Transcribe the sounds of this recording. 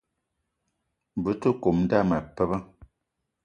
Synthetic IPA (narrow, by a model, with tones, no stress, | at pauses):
bɨ˨˦tə˦ko˨mn̩˦da˦˨ma˨pə˦bə˦